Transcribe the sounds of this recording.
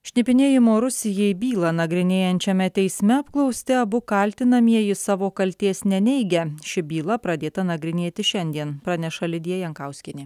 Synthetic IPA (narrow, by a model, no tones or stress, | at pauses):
ʃʲnʲɪpʲɪnʲeːjɪmoːɾʊsʲɪjɛbʲiːlˠɐnɐɡɾʲɪnʲeːjɛnʲt͡ʃʲɛmʲɛt̪ʲɛɪsʲmʲɛɐpklˠɒʊsʲt̪ʲɪɐbʊkɐlʲt̪ʲɪnɐmʲiɛjɪsɑːʋoːkɐlʲt̪ʲeːsnʲɛnʲɛɪɡʲɛʃʲɪbʲiːlˠɐpɾɐd̪ʲeːt̪ɐnɐɡɾʲɪnʲeːt̪ʲɪʃʲɛnʲd̪ʲiɛnpɾɑnʲɛʃɐlʲɪd̪ʲiɛjɛŋkɑˑʊsʲkʲɪnʲɪ